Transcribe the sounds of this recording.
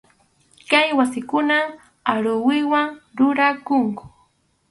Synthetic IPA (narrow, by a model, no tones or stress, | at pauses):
kajwasɪkʊna | aɾʊwɪwaŋɾʊɾakʊŋkʊ̥